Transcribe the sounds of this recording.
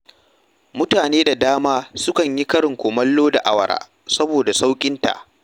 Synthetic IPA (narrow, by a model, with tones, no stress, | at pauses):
mʊ˦taː˨neː˦da˨daː˦maː˦sʊ˦kɐ˨ɲji˦kɐ˦ɽɪ˨ŋkʷoː˨mɐ˦lːoː˦da˨ʔa˦wɐ̰˨ɽa̰ː˦˨ | sɐ˦boː˨da˨sa˦wkʲʼɪ˦nta̰˨ʔ